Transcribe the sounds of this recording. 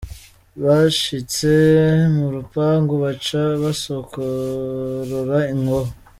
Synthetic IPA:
βaʃit͡semuɾupaŋɡoβat͡ʃaβasokʰo | ɾoɾaiŋɡoɦo

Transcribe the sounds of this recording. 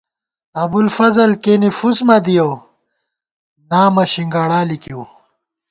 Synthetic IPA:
ɐbulfɐzɐlkenifuzmɐd̪ijow | naːmɐɕiŋɡaɽaːlikiw

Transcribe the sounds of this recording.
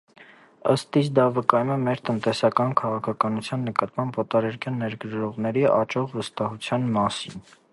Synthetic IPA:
ə̰st̪isd̪ɑvəkɑjumɛmɛɾt̪ənt̪ɛsɑkɑnkʰɑʁɑkʰɑkɑnut͡sʰjɑnːəkɑt̪mɑmbvɔt̪ɑɾɛɾkʰjɑnːɛɾɡəɾɾɔʁnɛɾiʔɑt͡ʃɔʁvəst̪ɑɦut͡sʰjɑnmɑsin

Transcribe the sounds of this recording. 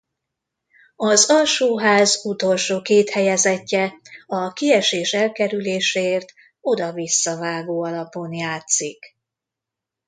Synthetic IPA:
ɒzɒlʃoːɦaːzut̪o̞lʃoːkeːt̪hɛjɛzɛcːɛɒkiɛʃeːʃɛlkɛɾyleːʃɛeːrt̪ | o̞d̪ɒvisːɒvaːɡoːɒlɒponjaːt̪sik

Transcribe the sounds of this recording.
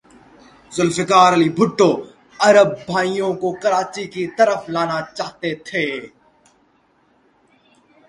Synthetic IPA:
zʊlfɪkaːɾɐlibʱʊʈːoː | ɐɾəb̚ːʱaːijõkokɐɾaːt͡ʃikit̪əɾəflaːnat͡ʃaːɦt̪et̪ʰeː

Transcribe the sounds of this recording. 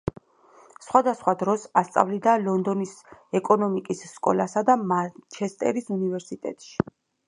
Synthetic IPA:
sχwad̪asχwad̪ɾɔsast̪sʼa̰vlid̪alɔnd̪ɔnisɛkʼɔnɔmikʼisːkʼɔ̰lasad̪amat͡ʃʰɛst̪ʼɛ̰ɾisunivɛɾsit̪ʼɛ̰t̪ʼʃi̥

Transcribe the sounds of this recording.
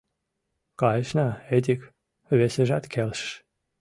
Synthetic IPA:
kɑjʃnɑet̪̬ʲik | βeseʒæt̪kʲʰelʃʃ

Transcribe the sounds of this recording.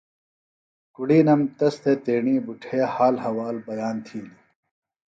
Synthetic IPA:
kuɽiːnɐmt̪ɐst̪ʰet̪eːɳiːbuʈʰeːhaːlɦɐwaːlbɐjaːnt̪ʰiːli

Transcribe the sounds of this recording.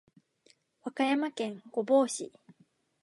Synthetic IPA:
βakajamakẽ̞ŋɡ̥o̞bo̞ːɕi

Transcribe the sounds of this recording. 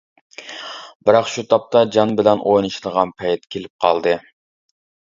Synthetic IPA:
bɪɾɑqʃut̪ʰɑp̚t̪ʰɑd͡ʒɑnbɪlɛnʔojnɨʃlˠəʁɑnpʰɛjt̪kʲʰelɪp̚qʰɑ̰lˠd̪ɨ

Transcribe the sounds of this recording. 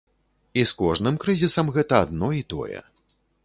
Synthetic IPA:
iskɔʐnɨmkɾɨzʲisɐmɣɛt̪ɐad̪nɔit̪ɔ̰jɛ̰

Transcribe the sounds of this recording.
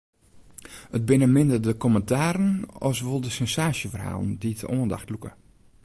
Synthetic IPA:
ət̚bɪnəmɪndədəkɔməntʰaːɾənɔ̰sʋolˠdəsɛnsaːʃjəfərha̰ːlˠnditəʔoːənda̰xtlukə̰

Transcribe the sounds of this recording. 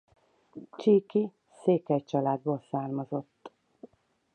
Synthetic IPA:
t͡ʃiːki | seːkɛct͡ʃɒlaːd̪boːlsaːrmɒzo̞t̪ː

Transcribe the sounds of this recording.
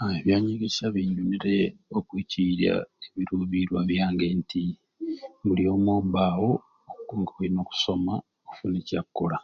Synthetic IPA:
aeβjaːɲiɡisaβiːnduniɾeokwiciɾja̰eβiɾuːβiɾwaβjaːŋɡeːnti | mulijo̞ːmwoːbaːwo | okkuŋɡakuino̞ku̥so̞ma | oku̥funecakːola

